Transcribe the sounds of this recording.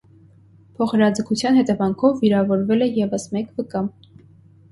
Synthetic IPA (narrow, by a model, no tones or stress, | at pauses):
pʰɔχɾɑd͡zəkʰut͡sʰjɑnhɛt̪ɛvɑŋkʰɔvːiɾɑvɔɾvɛlɛjɛvəsmɛkvəkɑm